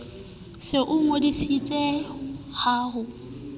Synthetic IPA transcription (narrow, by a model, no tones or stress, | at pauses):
sɪʔʊŋwedisit͡sʼɛhaːɦʊ